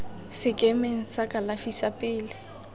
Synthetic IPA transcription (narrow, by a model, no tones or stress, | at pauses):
sɪkʼɛmeŋ̩sakʼalafisapʼɪːlɪ